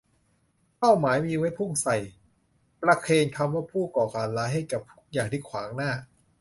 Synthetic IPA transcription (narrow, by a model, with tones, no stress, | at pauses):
pa˥˩wmaː˩˦jmiː˧wa˦˥jpʰu˥˩ŋsa˨˩j | pɾa˧kʰeː˧nkʰa˧mwaː˥˩pʰuː˥˩kɔː˨˩kaː˨˩nlaː˨˦˥jɦa˥˩jka˨˩p̚t̪ʰu̥˦˥˩k̚jaː˨˩ŋt̪ʰi˥˩kʰwaː˩˦ŋnaː˥˩